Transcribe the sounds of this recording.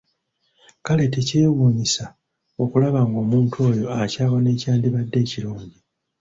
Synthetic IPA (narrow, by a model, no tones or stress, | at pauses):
kale̞tece̞ːwuːɲisa | o̞kulaβaŋɡo̞ːmuːntʰuo̞ːjo̞acaːβo̞ne̞ːcaːndiβadːe̞ːciɾuːɲɟi